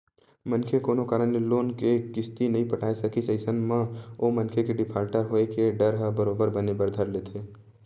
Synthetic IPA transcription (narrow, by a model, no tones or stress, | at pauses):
mənkʰekoːnokaːɾənneloːnkekɪst̪inɐɦĩpəʈʰaːesɐkiseːsənmãomənkʰekeɖɪpʰaːɾʈəɾɦoːekeɖəɾɦəbəɾoːbəɾbənebəɾd̪ʱəɾleːt̪ʰeː